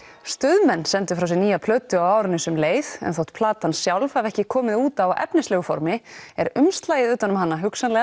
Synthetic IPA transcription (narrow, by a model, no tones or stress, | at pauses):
st̪ʏðmɛnːsɛnt̪ʏ̥fɾaws̬ɛniːjapʰlœːt̪ʏawaːwɾɪnːɪsʏmleːjθɛ̰nθowht̪pʰlaːt̪ansjawlfhavɛhcɪkʰɔːmɪðuːt̪awaʔɛ̰pnɪslɛːɣʏfɔ̰ɾmɪɛɾʏmst̪laːjɪðʏːt̪anʏmɦanːaɦʏksanlɛːɣa